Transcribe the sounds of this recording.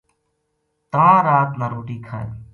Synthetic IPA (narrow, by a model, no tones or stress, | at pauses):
t̪əãːɾaːt̪naːɾoːʈiːkʰa̰ːḛ̃ː